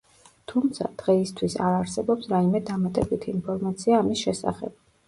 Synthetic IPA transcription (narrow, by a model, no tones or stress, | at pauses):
t̪ʰumt̪sʰa̰d̪̥ʁɛist̪ʰwisa̰ɾaɾsɛbɔpsɾaimɛd̪amat̪ʼɛbit̪ʰiinpʰɔɾmat̪sʰiaːmisʃɛsa̰χɛ̰b̥̚